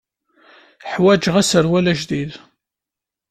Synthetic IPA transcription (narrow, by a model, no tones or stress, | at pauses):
ħwæd͡ʒʁæsəɾwælæʒðið